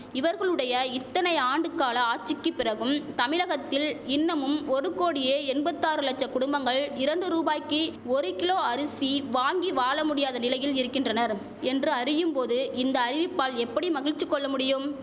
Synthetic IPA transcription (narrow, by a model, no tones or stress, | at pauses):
ɪʋɐɾɣɐɭɯɽɐjɐɪt̪ːɐnɐɪaːɳɖɯkːaːlɐaːt͡ʃːɪkːɯpːɪrɐɣɯmt̪ɐmɪlɐɣɐt̪ːɪlɪnːɐmɯmɔɾɯkoːɽɪjeːɛnbɐt̪ːaːɾɯlɐt͡ʃːɐkʊɽʊmbɐŋɡɐɭɪɾɐɳɖɯɾuːbaːjkːɯɔɾɯkɪloːɐɾɯsiʋaːŋɡiʋaːlɐmʊɽɪjaːðɐnɪlɐjɪlɪɾɯkːɪndrɐnɐɾ | ɛndrɯɐɾɪjɯmpoːðɯɪnd̪ɐːɾɪʋɪpːaːlɛpːɐɽimɐɣɪɻt͡ʃːɯkːɔɭːɐmʊɽɪjɯm